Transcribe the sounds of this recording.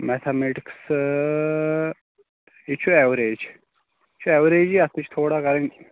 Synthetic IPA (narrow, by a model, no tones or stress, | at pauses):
mɛt̪ʰemeʈiks | it͡ʃʰuɛʋɾeːd͡ʒ | t͡ʃʰuɛʋɾeːd͡ʒiɐst̪ut͡ʃʰt̪ʰoːɽakɐɾenʲ